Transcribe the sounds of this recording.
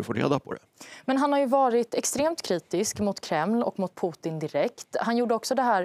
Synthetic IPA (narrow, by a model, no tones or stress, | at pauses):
ɵfoɾḛːd̪apʰɔ̰d̪ɛ̰ | mɛnɦanhaɾjɵvɑːɾɪt̪ɛkst̪ɾeːmt̪kʰɾiːt̪ɪskmʊt̪kʰɾɛmlɔ̰kːmʊt̪̚pʰuːt̪ɪnd̪ɪɾɛkt̪hanjuːɖəɔksɔd̪ɛɦæːɾ